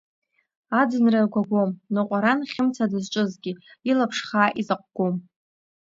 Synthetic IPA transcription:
ad͡zɨnrarɡʷaɡʷomnɨqʷʼaɾanχʲɪmt͡sʰadɨzt͡ʃʷʼɨzɡʲiilapʰʂχaːʔizaqʷʼɡ̥ʷom

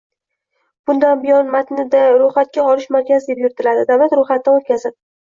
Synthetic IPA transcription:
b̥ʊnd̪anbɪjɒnmat̪nɪd̪aɾʊχat̪̚kʲaɒlɪʃmaɾkʲazd̪e̞pjʊɾɪt̪ʰɪlad̪ɪd̪awlat̪ɾʊχat̪ːaot̪̚kʲazɪd̪

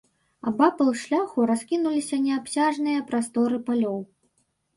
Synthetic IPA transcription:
a̰bapɐlˠʂlʲaxuɾaskʲinulʲisʲɐnʲɛapsʲaʐnɨjɐpɾast̪ɔɾɨpalʲɔw

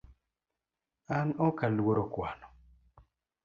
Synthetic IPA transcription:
anɔkalwoɾokwanɔ

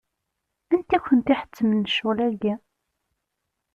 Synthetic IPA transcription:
ænt̪æçʷənt̪iħə̥t͡sːəmənːəʃːulæɡæ

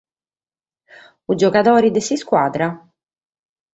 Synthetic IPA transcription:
ud͡ʒɔkat̪ɔːɾid̪ɪsiskwaːd̪ɾa

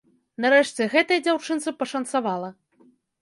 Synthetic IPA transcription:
naɾɛʂt͡sʲɛɣɛt̪ɐjɐd͡zʲawt͡ʂɨnt̪sɨpɐʂɐnt̪savalˠɐ

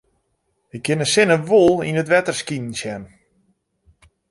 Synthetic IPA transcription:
ɪk̚ɡɪnəsɪnəʋolˠinətʋɛtərskinn̩sjɛn

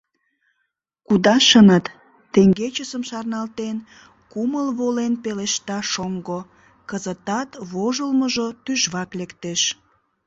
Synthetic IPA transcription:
kud̪ɑʃənət̪ː | eŋɡet͡ɕəsəmʃɑrnɑlt̪en | kuməlβolenpeleʃt̪ɑʃoŋɡo | kəzət̪ɑt̪βoʒəlməʒot̪yʒβɑklekt̪eʃ

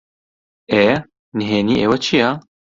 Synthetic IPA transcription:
eː | nɦeːniːʔḛːwɛt͡ʃʰija

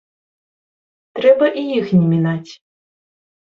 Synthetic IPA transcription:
t̪ɾɛbɐʔijixnʲɛmʲinat͡sʲ

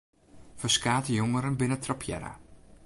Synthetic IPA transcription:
fəskaːtəjoŋəɾənbɪnətropʰjɛ̰ɾa̰

